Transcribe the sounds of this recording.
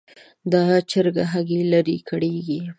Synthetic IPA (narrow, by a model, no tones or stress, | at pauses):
d̪ɑt͡ʃəɾɡaɦaɡilaɾikʰəɽeɡi